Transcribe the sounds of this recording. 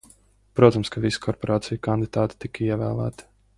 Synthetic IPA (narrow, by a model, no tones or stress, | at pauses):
pɾuɔt̪amskavisi̥kʰɔɾpɔɾaːt̪sijukand̪id̪aːt̪i̥t̪ikiɛvæ̰ːlˠæ̰ːt̪i̥